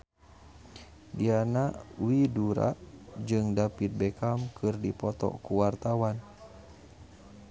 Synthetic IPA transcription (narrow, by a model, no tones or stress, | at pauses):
dianawiduɾa̰ʔd͡ʒɨŋdapit̪̚bɛkamkʰɨrdipɔt̪ɔ̰kuwart̪awan